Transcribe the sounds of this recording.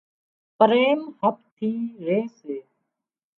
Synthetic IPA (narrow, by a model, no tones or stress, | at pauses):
pəɾeːmhəp̚t̪ʰiːɾeːseː